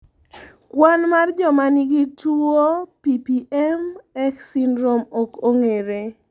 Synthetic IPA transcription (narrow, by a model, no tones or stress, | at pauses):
kwanmard͡ʒɔmaniɡituopipiʔɛmɛksindɾomokoŋeɾe